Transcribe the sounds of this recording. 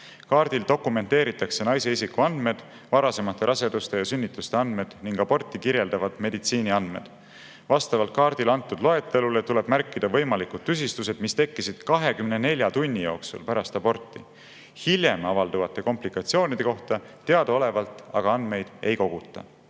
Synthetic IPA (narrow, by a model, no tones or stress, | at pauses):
kɑːɾd̪̥ild̪̥o̞kːˑume̞nt̪e̞ːɾit̪ːˑɑkse̞nɑjse̞isikːuɑnd̪̥me̞d̪̥ | vɑɾɑse̞mɑt̪ːˑe̞ɾʔɑse̞d̪̥ust̪e̞jɑsynːit̪ːˑust̪e̞ɑnd̪me̞d̪̥niŋɡ̥ɑb̥o̞rt̪ːˑikiɾje̞ld̪̥ɑvɑd̪̥me̞d̪it̪siːniɑnd̪me̞̰d̪̥ | vɑst̪ɑvɑlt̪̚kɑːɾd̪̥ilɑnt̪ːˑud̪lo̞e̞t̪ːˑe̞lule̞t̪ule̞b̥mærkːˑid̪ɑvɤ̞jmɑlikud̪̚t̪ːys̬ist̪us̬e̞d̪̥mist̪e̞kːisid̪̥kɑɦe̞kymne̞ne̞lʲjɑt̪unʲːijo̞ːksṵlpæɾɑst̪ɑbo̞rt̪ːˑi | hilʲje̞mɑvɑld̪uvɑt̪ˑːe̞ko̞mplikːˑɑt̪sio̞ːnid̪̥e̞ko̞ht̪ɑ | t̪ːeɑd̪ɑo̞le̞vɑlt̪ˑɑɡ̥ɑɑnd̪̥me̞jd̪̥e̞jko̞ɡ̥ut̪ˑːɑ̰